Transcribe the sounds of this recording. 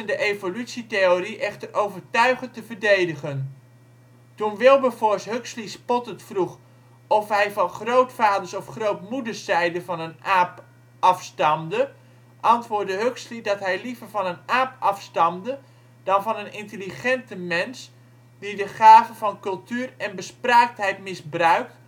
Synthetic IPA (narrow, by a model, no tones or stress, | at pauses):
əndəʔejvolytsitejoriʔɛχtərʔowvərtœɥχəntəvədejdəχən | tunʋɪlˠbəvɔɹsɦøkslispɔtəntfruχ | ɔfɦɛjvɑnχrowtfaːdəɹsɔfχrowtmudəɹsɛjdəvɑnənʔaːp | ɑfstɑmdə | ʔɑntʋʊːɹdəɦøkslidɑtɦɛjlivərvɑnənaːpɑfstɑmdə | d̥ɑnvɑnənɪntəliχɛntəmɛns | d̥idəχaːvəvɑnkɵlˠtyːrɛnbəspraːk̚tɦɛjtmɪsbrœɥk̚t